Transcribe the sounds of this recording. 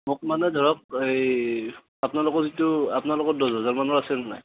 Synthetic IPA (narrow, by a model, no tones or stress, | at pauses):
mʊk̚manɛdʱɔɹɔk̚ej | apnalʊkɔzitʊapnalʊkɔt̚dɔzɔzaɹmanɔɹasɛnana̰j